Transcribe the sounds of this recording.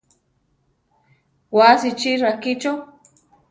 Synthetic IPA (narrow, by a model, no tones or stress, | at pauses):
wasit͡ʃiɾakit͡ʃo